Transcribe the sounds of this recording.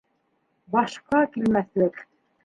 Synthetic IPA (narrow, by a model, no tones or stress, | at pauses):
bɑʃqɑkilmæθlɘk